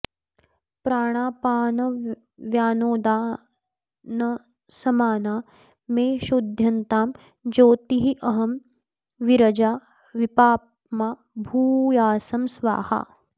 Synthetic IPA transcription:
pɾaːɽ̃aːpaːnɐ | ʋjaːnoːd̪aː | nɐ | sɐmaːnaː | meːʃud̪ʱjɐnt̪aːm | d͡ʒoːt̪iɦiʔɐɦɐm | ʋiɾɐd͡ʒaː | ʋipaːp | maː | bʱuːjaːsɐmsʋa̰ːha̰

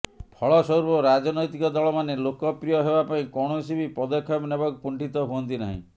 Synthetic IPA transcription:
pʰɔɭɔsɔuɾbɔɾad͡ʒɔnɔjt̪ikɔd̪ɔɭɔmanelokɔpɾijɔɦebapaĩkɔɽ̃osibipɔd̪ɔkʰːɔbnebakukuɳʈʰit̪ɔɦuɔnt̪ina̰ɦḭ̃

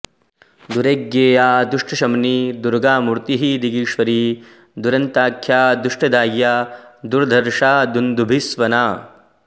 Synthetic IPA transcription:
d̪uɾeɡjeːjaːd̪uʂʈɐʃɐmniːd̪uɾɡaːmuɾt̪iɦid̪iɡiːʃʋɐɾi | d̪uɾɐnt̪aːkʰjaːd̪uʂʈɐd̪aːjːaːd̪uɾd̪ʱɐɾʃaːd̪und̪ubʱisʋɐnaː

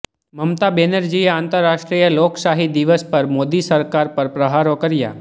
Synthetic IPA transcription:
məmt̪abeːnəɾd͡ʒiəãːnt̪əɾːaːʃʈɾijəloːksaːɦid̪iʋəspəɾmoːd̪isəɾkaːɾpəɾpɾəɦaːɾokəɾɪja̰ː

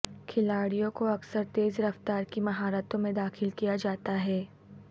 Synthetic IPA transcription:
kʰɪlaːɽijõkoɐksəɾt̪eːzɾɐft̪aːɾkimɐɦaːɾət̪õmẽd̪aːxɪlkijad͡ʒaːt̪aɦɛː

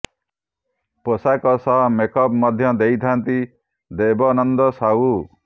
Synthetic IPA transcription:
posakɔsɔɦmekɔpmɔd̪ʱjɔd̪ejt̪ʰant̪i | d̪ebɔnɔnd̪ɔsau

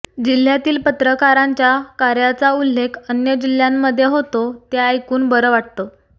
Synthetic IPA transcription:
d͡ʑil̤ːjat̪iːlpət̪ɾəkaɾaɲt͡ɕjakaɾjat͡saulːekʰənjəd͡ʑil̤jamːəd̪ʱjeɦot̪ot̪jaajkuːnbəɾəʋaʈ̚t̪o

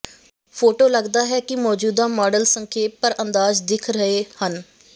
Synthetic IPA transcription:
pʰoːʈoːləɡd̪aːɦɛːkɪmɔːd͡ʒuːd̪aːmɔːɖəlsəŋkʰeːt̪̚pəɾənd̪aːzd̪ɪkʰɾəeːhən

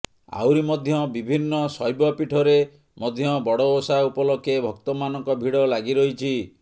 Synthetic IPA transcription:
a̰wɾimɔd̪ʱjɔbibʱinːɔsɔjbɔpiʈʰɔɾe | mɔd̪ʱjɔbɔɽɔosaupɔlɔkʰebʱɔkt̪ɔmanɔŋkɔbʱiɽɔlaɡiɾɔɦit͡ʃʰi

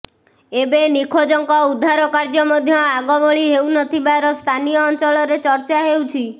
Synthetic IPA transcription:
ebenikʰod͡ʒɔŋkɔud̪ʱːaɾɔkaɾd͡ʒɔmɔd̪ʱjɔaɡɔbɔɭiɦewnɔt̪ʰibaɾɔst̪ʰanijɔːnt͡ʃɔlɔɾet͡ʃɔɾt͡ʃaɦewt͡ʃʰi

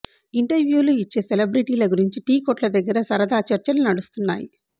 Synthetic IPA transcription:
iɳʈɐɾʋjuːluit͡ʃːe̞ːselebɾiʈiːlɐɡuɾiɲt͡ʃiʈiːkoːʈlɐd̪ɐɡːɐɾɐsɐɾɐd̪aːt͡ʃɐɾt͡ʃɐlunɐɽust̪unːaːji

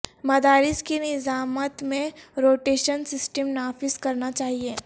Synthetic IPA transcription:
mɐd̪aːɾɪskenɪzaːmət̪mẽɾoːʈeːʃənsɪsʈəmnaːfɪzkɐɾnat͡ʃaːɦieː

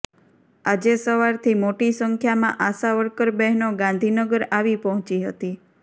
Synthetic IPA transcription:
ad͡ʒesəʋaɾt̪ʰimoʈisəŋkʰjamã̰ʔasaʋəɾkəɾbɛɦnoɡãnd̪ʱinəɡəɾaʋipɔɦɔ̃t͡ʃiɦə̰t̪i

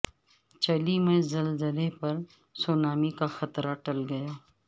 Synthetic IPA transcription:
t͡ʃɐlimẽzɐlzəlepɐɾ | soːnaːmikaxɐt̪ɾaʈɐlɡɐjaː

